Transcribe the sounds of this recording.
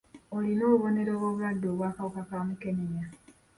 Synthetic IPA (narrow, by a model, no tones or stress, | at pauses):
olino̞ːβo̞ne̞ɾoβoβulwadːo̞ːβwaːkawokakaːmuke̞ɲeɲa